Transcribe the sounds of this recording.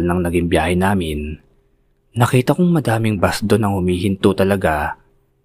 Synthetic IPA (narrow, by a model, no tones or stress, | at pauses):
lnɐŋnɐɡɪŋbjaːhɛnaːmɪn | ɐkiːt̪ɐkʊŋmɐd̪aːmɪŋbɐsd̪onɐŋhʊmiːhɪnt̪ʊt̪ɐlɐɡa